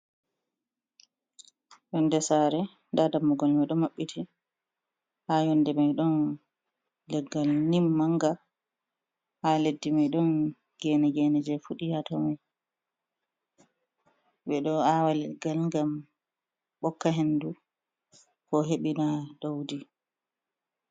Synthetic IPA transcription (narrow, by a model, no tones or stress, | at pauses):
jɔndɛsaɾɛ | ndadamːɔɡɔlmajɗɔmaɓːitʰi | hajɔndɛmajɗɔn | lɛɡːalnimːaŋɡa | haledːimajɗɔn | ɡɛnɛɡɛnɛd͡ʒɛfuɗijatɔmaj | bɛɗɔawalɛɡːalŋɡam | ɓɔkːaɦendu | kɔɦeɓinadowdi